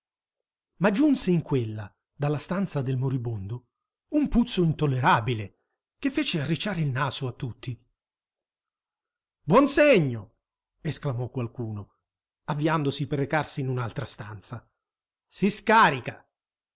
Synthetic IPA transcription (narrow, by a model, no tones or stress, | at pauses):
mad͡ʒːunseiŋkwelːa | d̪alːast̪ant̪sad̪elmoɾibond̪o | umput̪sːoint̪olːeɾabile | k̟efːeːt͡ʃearːit͡ʃːaːɾeilnaːsoat̪ːut̪ʰːi | bwɔnseɲːo | esklamɔkwalkuːno | avːiand̪osiperːekarsiːnunalt̪ɾast̪ant̪sa | siskaːɾika